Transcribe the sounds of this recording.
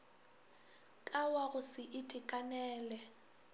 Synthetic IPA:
kʼawaɣʊsɪʔɪtʼɪkʼanɛːlɛ

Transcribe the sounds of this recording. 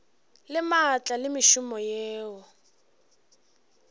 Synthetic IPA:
lɪmat͡ɬʼalɪmɪʃʊmɔjɛːwɔ

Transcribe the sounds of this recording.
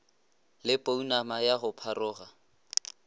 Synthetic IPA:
lɪpʼounamajaɣʊpʰarʊːɣa

